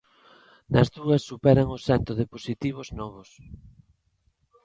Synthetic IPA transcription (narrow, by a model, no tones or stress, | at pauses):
nɐzðuɐsːupɛɾɐŋosɛnt̪oðɪposit̪iβ̞oznɔβ̞os